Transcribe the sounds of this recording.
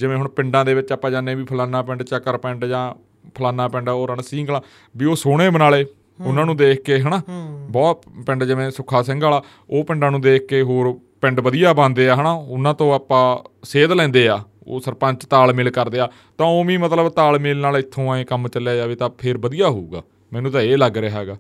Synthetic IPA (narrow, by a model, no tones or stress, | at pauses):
d͡ʒɪʋẽːɦʊɳpɪɳɖãːd̪eːʋɪt͡ʃaːpːãːd͡ʒaːnẽːbiːpʰəlaːnãːpɛɳɖt͡ʃəkːəɾpɛɳɖd͡ʒãː | pʰəlaːnãːpɛɳɖoːɾəɳsĩːɡlaː | biːoːsoːɽ̃eːbənaːleː | ʊnːãːnũːd̪eːkʰkeːɦənaːbɔːt̪pɪ̃ɳɖd͡ʒɪʋẽːsʊkʰːaːsɛ̃ːŋɡaːlaː | oːpɪ̃ɳɖãːnũːd̪eːk̚ʰkeːɦoːɾ | pɛ̃ɳɖbəd̪ijaːbãːnd̪eːaːɦənaːʊnãːt̪õːaːpãːseːd̪lɛ̃ːnd̪eːaː | o̰ːsəɾpə̃ɲt͡ʃt̪aːlmɪlkəɾd̪eːaː | t̪ãːoːʋĩːmət̪ləbt̪aːlmɪlnaːlɪt̪ʰːõːaːẽːkəmt͡ʃəljaːjaːʋiːt̪ãːpʰɪɾbəd̪ijaːɦouːɡaː | mɛːnũːt̪̬ãːeːləɡɾeːɦɛːɡaː